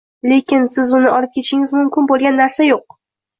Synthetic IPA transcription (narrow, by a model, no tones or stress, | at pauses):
le̞kʲɪnsɪzʊnɪʔɒlˠɪp̚kʲʰe̞t̪ʃɪŋɪzmʊmkʲɪnbolˠɡʲanːaɾsajoq̚